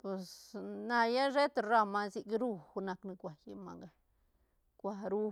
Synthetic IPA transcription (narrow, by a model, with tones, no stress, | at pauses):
pe˨sna˧ja˦ʐe˦t̪ɾa˧ma˧zi˧kɾu˧xu˧na˧kni˧kʷa˨ji˧ma̰˧ŋɡa˨ | kʷa˨ɾu˦